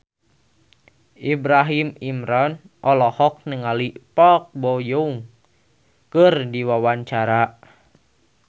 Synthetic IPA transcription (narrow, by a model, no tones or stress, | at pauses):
ʔibɾaɦimimɾɔn | ʔɔlɔhɔk̚nəŋalipɔk̚bɔjuuŋ | kərdiwawaɲt͡ʃaɾa